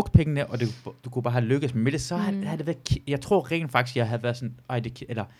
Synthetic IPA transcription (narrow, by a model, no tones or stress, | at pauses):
ɔɡ̥̚d̥̚pʰeŋənəʔɒ̽d̥e̝̥d̥ukʰub̥ɑ̈ːhæløɡ̥əsmmʋel̥esɒɦæhæd̥e̝ʋæɐðˠkʰjɑ̈ɪt͡sʰʁo̝ɐ̰ʁɛ̰ːn̥fɑ̈ɡ̥isɡ̥jɑ̈ɪɦæðˠʋæɐsɒ̽nɑɪ̰d̥e̝kʰelɐ